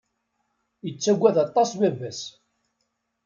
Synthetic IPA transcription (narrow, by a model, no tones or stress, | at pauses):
jət͡sːæɡʷːæðɑt̪ˤːɑsbævæs